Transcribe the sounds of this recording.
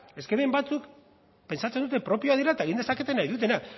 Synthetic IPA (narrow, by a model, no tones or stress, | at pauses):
e̞skeβembat͡suk | pe̞nsat͡send̪ut̪̬e̞pɾo̞pio̞aðiɾaet̪ae̞ɣ̞ind̪esake̞t̪e̞najðut̪e̞na